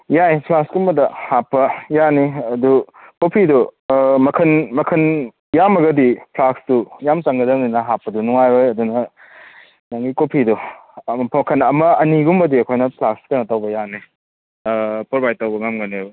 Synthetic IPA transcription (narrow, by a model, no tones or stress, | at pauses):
jajpʰlakskumbɐdɐhapːɐjaniɐdu | kopʰidɔmɐkʰɐnmɐkʰɐn | jamɐɡɐdipʰlaksdujamt͡ʃaŋɡɐdɐŋninɐɦapːɐdunuŋajojɐdunɐ | naŋɡikopʰidɔ | ɐkʰɐnɐmɐɐniɡumbɐdiekʰojnɐpʰlakskɐnɐtawbɐjani | pɔɾbajtawbɐŋamɡaneo